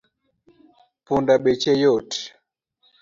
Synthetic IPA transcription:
pundaɓɛt͡ʃɛjɔt

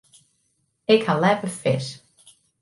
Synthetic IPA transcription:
ɪkhalɛpəfɪ̰s

